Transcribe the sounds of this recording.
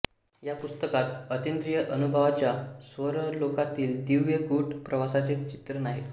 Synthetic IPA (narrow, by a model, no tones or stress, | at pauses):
japust̪əkat̪ət̪end̪ɾijəʔənubʱəʋat͡ɕjasʋəɾəlokat̪iːld̪iʋjeɡuʈpɾəʋasat͡set͡ɕi̥t̪ɾənaɦe